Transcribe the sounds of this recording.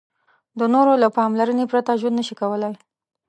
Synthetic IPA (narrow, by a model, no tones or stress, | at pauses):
d̪ənoɾolapɑmlaɾənepɾat̪aʒwənːəʃikawəlaj